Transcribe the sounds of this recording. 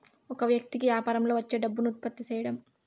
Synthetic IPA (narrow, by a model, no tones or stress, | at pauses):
ɔkɐʋjɐk̚t̪ikiaːpɐɾɐmlo̞ːʋɐt͡ʃːeːɖɐbːunut̪̚pɐt̪ːit͡ʃɛjɐɽɐm